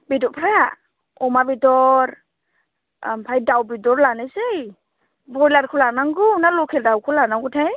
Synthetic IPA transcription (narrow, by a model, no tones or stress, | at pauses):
bidɔpʰɾaja | ɔmabidɔɾ | mpʰajdawbidɔɾlanesej | bɔjlaɾkʰulanaŋɡunalɔkʰɛldawkʰulanaŋɡutʰaj